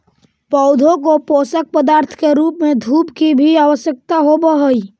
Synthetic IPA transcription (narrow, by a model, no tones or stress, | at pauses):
pəʊd̪ʱõkopoːsək̚pəd̪aːɾt̪ʰkeɾuːpmẽd̪ʱuːpkibʱiaʋəʃjək̚t̪aɦobəɦəi